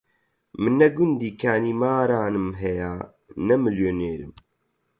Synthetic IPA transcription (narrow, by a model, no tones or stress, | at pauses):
mɨnːɛɡund̪iːkʰaːniːmaːɾaːnɨmɦɛjaː | nɛmɨljoneːɾɨm